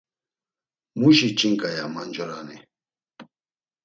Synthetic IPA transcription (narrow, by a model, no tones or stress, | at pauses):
muʃit͡ʃiŋkajamand͡ʒɔɾanɛ